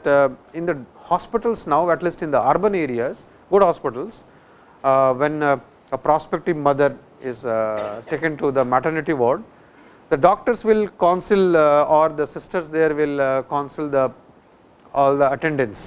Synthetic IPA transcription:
ʈɪ̃nd̪əhɔːspɪʈəlsnaʊɛʈliːsʈɪ̃nd̪əaɾbə̃neːɾiaz | ɡʊɖhɔːspɪʈəls | ʋẽn | əpɾɔːspek̚ʈɪʋmʌd̪əɾ | ɪzʈeːkə̃nʈud̪əmæʈəɾnɪʈiʋɔːɾɖ | d̪əɖɔːk̚ʈəɾsʋɪlkãːnsɪlɔːɾd̪əsɪsʈəɾsd̪eːɾʋɪlkãːnsɪld̪ə | ɔːld̪əɐʈẽɳɖə̃ns

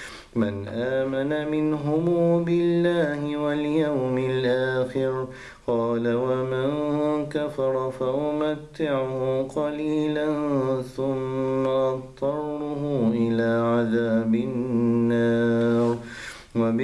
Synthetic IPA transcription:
manʔaːmanamɪnɦʊmuːbɪlːaːhɪwaljawmɪlʔaːxɪɾ | qɑːlawamankafɑɾˤfaʊmat̪ːɪʕqɑliːlanθʊmːaʔɑt̪ˤːɑrˤːʊhuʔɪlaːʕaðaːbɪnːaːɾ | wab

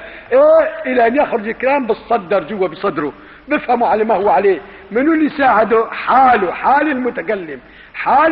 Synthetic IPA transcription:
ʔeːʔɪlaʔanjaxɾʊd͡ʒɪlkalaːmbɨtsˤːɑd̪ːɑɾˤd͡ʒʊwːabɨsˤɑd̪ɾʊ | bɪfhamuʕalamahʊwːaʕaleː | mɪnʊlːijsaːʕɪd̪uħaːlʊħaːlɪlmʊt̪akalːɪm | ħaː

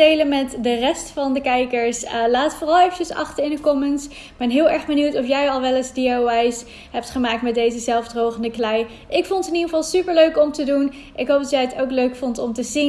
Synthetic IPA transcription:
dejlənmɛtdərɛstfɑndəkɛjkəɹslaːətfʊːrɑlˠejvət͡ʃəsɑ̰χtəɪndəkɔməns | b̥ɛnɦɪːlˠɛɹχbəniwtɔfjɛjɑlˠʋɛlɪzdiowajs | ɦɛp̚tχəmaːk̚tmɛdejzəzɛlˠvdrowχəndəklɛj | ʔɪkfɔntɪniəvɑlˠsypəɹløɥkɔmtədun | ʔɪkɦowp̚dɑtjɛjətowkløɥkfɔntɔmtəzin

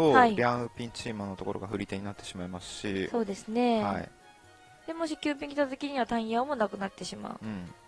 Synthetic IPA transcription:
ohaiɾʲãpʲĩɲt͡ɕiːmãnːo̞t̪o̞koɾo̞ɡaɸɯ̟ɾʲit̪e̞ɲ̟inat̪ːe̞̥ɕimaimasɨ̥ɕiso̞ːd̪e̞sɨne̞haa̰ḭ | d̪̥e̞mo̞ɕ̬ikʲɨːp̬ʲĩŋkʲi̥t̪azekʲiɲ̟iβat̪ãɰ̃jaːmo̞nakɯ̟nat̪ːe̞ɕima̰ɯ̟ɯ̟̃ɴ

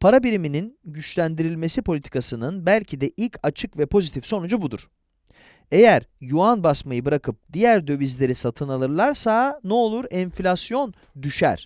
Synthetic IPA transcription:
pʰaɾabiɾimininɟyt͡ʃlʲænd̪iɾilʲme̞sipʰolʲit̪ʰi̥kʰasɯnɯnbælʲcʰid̪ɛʔilʲcʰat͡ʃʰɯkvɛpʰo̞zit̪ʰifso̞nud͡ʒabud̪ṵɾ̥ | e̞jæɾjuanbasmajɯbɯɾakʰɯp̚d̪ijæɾd̪ø̞vizlʲe̞ɾisat̪ʰɯnalˠɯɾlˠaɾsanɛo̞lˠuɾɛnflʲasjo̞n | d̪yʃæ̰ɾ̝̥

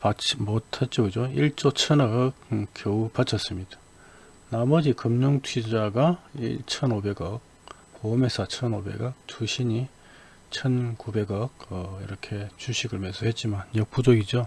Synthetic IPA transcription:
pat͡ɕmotʰat̚t͡ɕ͈oɡɯd͡ʑoiɭt͡ɕ͈ot͡ɕʰʌnʌkk͈joupat͡ɕʰʌs͈ɯmɲid̥ḁ | namʌd͡ʑikɯmɲoŋtʰwid͡ʑaɡaḭɭt͡ɕʰʌnobe̞ɡʌk̚ | pome̞sʰat͡ɕʰʌnobe̞̰ɡʌk̚tʰuɕʰiɲi | t͡ɕʰʌnkube̞ɡʌk̚ʌiɾʌkʰe̞t͡ɕuɕʰiɡɯɭmesʰʌhe̞t̚t͡ɕ͈imanjʌk̚p͈ud͡ʑʌɡid͡ʑo

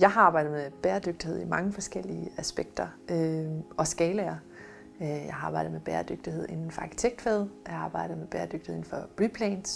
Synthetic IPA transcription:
jɑ̈ɪɦɑ̈ɑ̈ːb̥ɑ̈ɪdð̩ˠmeb̥eːɐd̥øɡ̥̚d̥ihe̝ð̞̰ˠimɑ̈ŋəfɒ̽sɡ̥el̰iəæsb̥eɡ̥̚d̥ɐøʔɒ̽sɡ̥ɛːlɐ | jɑ̈ɑ̈ːb̥ɑ̈ɪ̰d̩ˠmeb̥eːɐd̥øɡ̥̚d̥iheð̰ˠʔe̝nn̩fɒɑ̈ːkʰi̥t͡sʰeɡ̥̚d̥feðˠjɑ̈ɑ̈ːb̥ɑ̈ɪ̰d̥ð̩ˠmeb̥eːɐd̥øɡ̥hḛen̩fɒ̽ʁipʰlɛːns

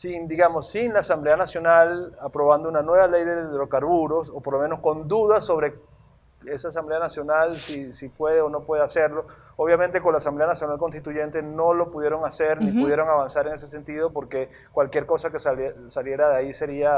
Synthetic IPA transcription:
sind̪iɣamosːinlaːsamble̞anasjo̞nalapɾo̞βand̪ounanwe̞βale̞jðe̞ðɾokaɾβuɾo̞sopoɾlo̞me̞no̞sko̞nd̪uðaso̞βɾe̞ | e̞saːs̬amble̞anasjo̞nalsisipwe̞ðeono̞pwe̞ðease̞ɾlo̞ | oβjament̪e̞ko̞nlasamble̞anasjo̞nalko̞nst̪it̪uʝe̞nt̪e̞no̞lo̞puðjeɾoŋase̞ɾnnipuðje̞ɾo̞ŋaβansaɾe̞ŋes̬e̞se̞nt̪iðopo̞ɾke̞ | kwalkje̞ɾko̞sakesasalje̞ɾaðeaise̞ɾia

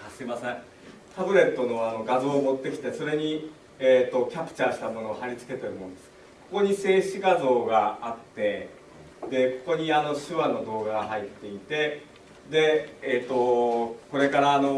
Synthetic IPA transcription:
kasɨimasẽ | t̪abɯ̟ɾe̞t̪ːo̞no̞ano̞ɡazo̞ːmo̞t̪ːe̞kʲi̥t̪e̞so̞ɾe̞ɲ̟i | eːt̪ːo̞kʲapɯ̟̥t͡ɕaɕi̥t̪amo̞no̞ːhaɾʲit͡sɨ̥ke̞t̪eɾɯ̟mo̞nod̪es | ko̞ko̞ɲ̟ise̞ːɕiɡazo̞ːɡaat̪ːe̞ | d̪e̞ko̞ko̞ɲ̟iano̞ɕɨβanːo̞d̪o̞ːɡaɡaɦait̪ːe̞it̪e̞ | d̪e̞ːt̪ːo̞ko̞ɾe̞kaɾaːno̞

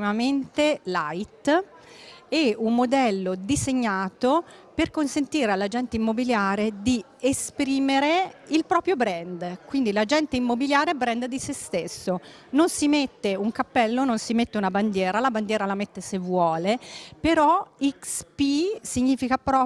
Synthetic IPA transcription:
imament̪elajt̪ | ɛumːod̪ɛlːod̪izeɲːaːt̪o | perkonsent̪iːɾealːad͡ʒɛnt̪eimːobiljaːɾed̪i | espɾiːmeɾeilpɾɔːpɾjobɾɛnd̪kwind̪ilad͡ʒɛnt̪eimːobiljaːɾeɛbɾɛnd̪d̪isest̪esːo | nonsimet̪ːeuŋkapːɛlːononsimet̪ːeunaband̪jɛːɾalaband̪jɛːɾalamet̪ːesevːwɔːlepeɾɔikspisiɲːiːfikapɾɔ

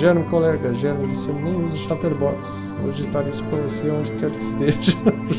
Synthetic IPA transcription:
ʒɛɾmkolɛɡɐʒɛɾmvosemnẽj̃uzɐʃapeɾbɔks | o̰d͡ʒit̪aɾisʊ̥kõoseõd͡ʒɪkɛɾkɪst̪eʒɐ

